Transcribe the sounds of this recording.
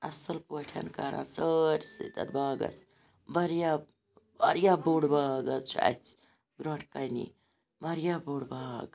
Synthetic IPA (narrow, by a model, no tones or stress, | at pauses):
ɐsɐlpuʈʰɐ̰nkaɾa̰səɾʲsḭt̪ɐ̰ɾbaːɡɐ̰s | bɐɾja | bɐɾjaboɽbaːɡɐt͡ʃʰa̰s | bɾaʈʰkɐjnḭ | bɐɾjaboɽbaːɡ